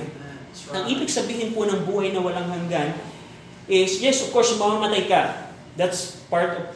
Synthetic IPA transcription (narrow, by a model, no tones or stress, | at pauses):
ɐŋʔiːbɪɡsɐbiːhɪnponɐŋbuːhɐjnɐwɐlaŋɦɐŋɡan | ʔɪsjɛsʔɔv̥koɹsmɐmamɐt̪ajkɐ | d̪at̪spaɹt̪ɔv